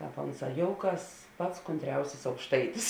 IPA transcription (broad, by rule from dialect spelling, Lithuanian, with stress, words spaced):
ˈkɑːp ˈoːnˌsɑː ˈjoːʊˌkɐs ˈpɐts kʊnʲˈtʲrʲɛʊsʲɪs ɐʊkʃˈtɐɪtʲɪs